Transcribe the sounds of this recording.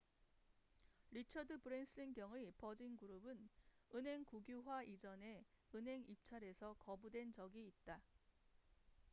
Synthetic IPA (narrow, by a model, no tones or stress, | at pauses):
ɾit͡ɕʰʌdɯpɯɾensʰinɡjʌŋɯpʌd͡ʑinɡuɾubɯnɯnɦe̞ŋkuɡjuɦwaʔid͡ʑʌne̞ɯnɦe̞ŋip̚t͡ɕʰaɾe̞sʰʌkʌbudwe̞nd͡ʑʌɡiːt̚t͈a